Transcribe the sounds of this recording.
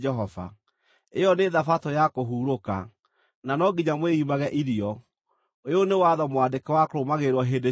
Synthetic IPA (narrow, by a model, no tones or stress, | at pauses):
ɛɦɔva̰ | ejɔneðafatojakoɦuːɾoka̰ | nanɔɡiɲamweimaɣɛʔiɾiɔ | ojonewaðɔmwadekɛwakoɾomaɣeɾwɔɦede